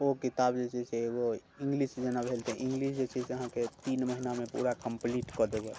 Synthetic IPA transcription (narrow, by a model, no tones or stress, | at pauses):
okit̪abd͡ʒet͡ʃisɛeɡo | ĩŋɡlisd͡ʒenabʱelt̪eɛ̃ʔĩŋɡlisd͡ʒet͡ʃisəɦãket̪inməɦinamẽpṵɾakəmpliʈkɔd̪eɡe